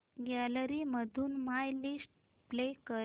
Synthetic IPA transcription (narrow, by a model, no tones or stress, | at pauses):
ɡalɾiməd̪ʱuːnmajlisʈ | plekə